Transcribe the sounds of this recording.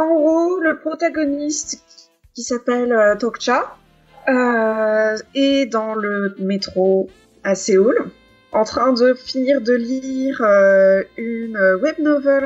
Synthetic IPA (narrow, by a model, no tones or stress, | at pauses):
ɑ̃ɡʁoləpχɔt̪aɡɔnist̪ | kʲisapɛløt̪ɔkt͡ʃa | ø | ɛd̪ɑ̃ləmet̪χo | aseol | ɑ̃t̪χɛ̃d̪əfiniʁd̪əliiʁøynøwɛb̚nɔvɛl